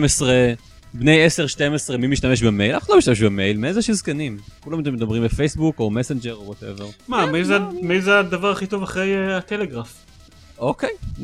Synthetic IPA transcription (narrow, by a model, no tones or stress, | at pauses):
mesʁe | bnejese̞ʁʃtemesʁemimiʃtameʃbeme̞jlafanloiʃt̪ameʃbemejlmeezeʃizkanimkulamt̪̬emed̪abʁimbefejsbukomesend͡ʒeʁowote̞̰veʁmamizemizead̪avaʁaχitovaχʁejeat̪eleɡʁaf | okej